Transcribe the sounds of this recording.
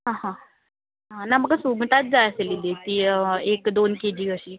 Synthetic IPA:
ɦãɦã | ɦãnaməɡəsuɡʈat̪̚d͡zajəselilet̪iːekd̪onked͡ʑiːɡəɕiː

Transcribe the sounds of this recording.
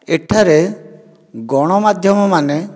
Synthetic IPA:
eʈʰaɾe | ɡɔɽ̃ɔmad̪ʱjɔmɔmane

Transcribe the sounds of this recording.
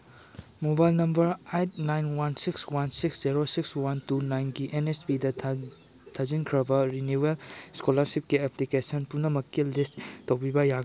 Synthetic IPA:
mobajlnɐmbɐɾajt̚najnwansikswansiksziɾosikswantunajnɡiʔenespidɐ | tʰɐzinkʰɾɐbɐɾinuwelskolaɾsip̚kieplikesɐnpunːɐmɐkːilistːɐwbʰibɐjaɡ

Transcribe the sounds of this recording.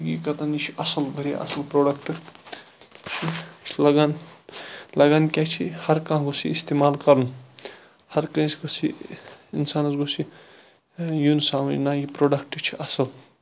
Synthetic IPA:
ɡikɐt̪anit͡ʃʰiɐsɐlbʱɐɾiɐ̰sɐlpɾoɽɐkʈɨ | t͡ʃʰilɐɡan | lɐɡankʲat͡ʃʰihɐɾkãɦɡosiːst̪emalkɐɾnu | hɐɾkɐ̃sɡosʰiinsanɐzɡosʰi | junsawnajipɾoːɖɐkʈt͡ʃʰiʔɐsɐl

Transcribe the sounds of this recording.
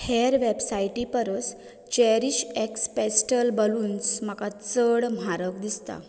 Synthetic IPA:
heɾʋebsajʈipəɾəs | t͡ɕɛɾiɕekspesʈəlbəluːnsmakat͡səɽm̤ʱaɾəkd̪ist̪a̰

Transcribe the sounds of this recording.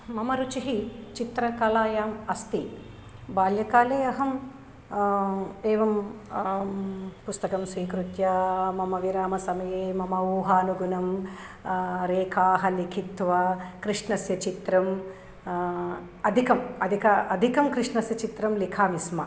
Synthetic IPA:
mɐmɐɾut͡ʃiɦit͡ʃit̪ɾɐkɐlaːjaːmɐst̪i | baːljɐkaːleːɐɦɐm | eːʋɐm | pust̪ɐkɐmsʋiːkɾut̪jɐmɐmɐʋiɾaːmɐsɐmɐjeːmɐmɐuːɦaːnuɡunɐm | ɾeːkʰaːɦɐlikʰit̪ʋɐkɾiʂɳɐsjɐt͡ʃit̪ɾɐm | ɐd̪ʱikɐmɐd̪ʱikɐɐd̪ʱikɐmkɾiʂnɐsjɐt͡ʃit̪ɾɐmlikʰaːmismɐ

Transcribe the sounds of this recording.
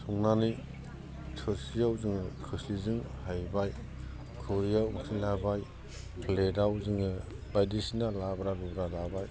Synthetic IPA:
sʰɔŋnani | sʰɔsijawzɯŋɯkʰɯslizɯŋhajbaj | kʰɯɾijawŋsʰilabaj | pʰledawzɯŋɯ | bajdisinalabɾaɾubɾalabaj

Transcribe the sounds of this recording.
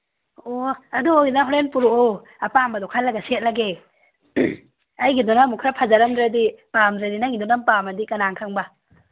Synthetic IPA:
oaduoɡinaɦɔɾenpuɾoɔ | apambɐdɔkʰajlːaɡaset̚laɡe | ajɡidɔnamukʰɾapʰazaɾɐmdɾadipamdɾadinaŋidɔnampamɐdikɐnaŋkʰaŋba

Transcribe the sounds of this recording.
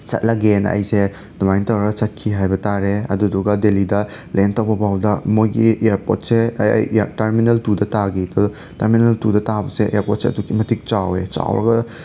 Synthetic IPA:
sɐ̰t̚lɐɡenɐ̰jse | dumajntɐwɾɐsɐt̚kʰiɦajbɐtaɾeɐ̰duduɡɐdelidɐlentɐwbɐbawdɐmojɡieɾpo̰t̚sḛjtɐɾminɐltudɐtaɡipʰɐ | tɐɾminɐltudɐtabɐseʔeɾpɔt̚seɐdukimɐtʰik̚t͡ʃawet͡ʃa̰wɾɐ̰ɡɐ

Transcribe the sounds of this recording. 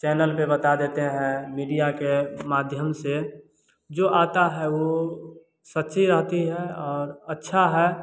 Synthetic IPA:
t͡ʃɛːnəlpebət̪ad̪eːt̪eɦɛ̃miːɖijakemaːd̪ʱjəmse | d͡ʒoʔaːt̪aɦɛʋo | sətːʃʰiɾəɦt̪iɦɛɔːɾətːʃʰaɦɛ

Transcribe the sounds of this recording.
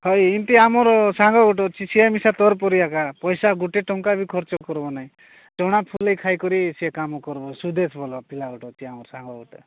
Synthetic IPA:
hɔjint̪iamɔɾɔsaŋɡɔɡɔʈ̬ɔt͡ʃʰisiamisat̪ɔɾpɔɾijakapɔjsaɡuʈeʈɔŋkabikʰɔɾt͡ʃɔkɔɾbɔnaɦĩ | ʈɔɽ̃apʰulejkʰajkɔɾisiekamɔkɔɾbɔsud̪esbʱɔlɔpilaɡɔʈɔt͡ʃʰiamɔɾɔsaŋɡɔɡɔʈɔ

